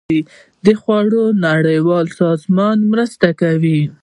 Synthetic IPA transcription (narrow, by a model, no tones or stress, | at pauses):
i | d̪əxwɑɽonaɽəjwɑlsɑzmɑnmɾəst̪akawi